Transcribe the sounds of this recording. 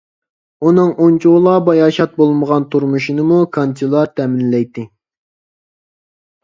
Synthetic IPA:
unɨŋʔont͡ʃʰuʁlˠɑbɑjɑːʃɑt̪̚bolˠməʁɑnt̪ʰuɾmuʃinɨmukʰɑnt̪ilˠɑt̪ʰɛmɪnlɛjt̪ːɪ

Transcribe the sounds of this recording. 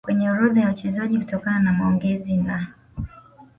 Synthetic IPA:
kwɛɲɛuɾɔðajaut͡ʃɛzaʄikutɔkananamaɔŋɡɛzina

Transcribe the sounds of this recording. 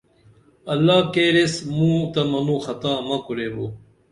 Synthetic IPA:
ɐlːaːkeːɾesmũːt̪ɐmɐnũːxɐt̪aːmɐkuɾeːboː

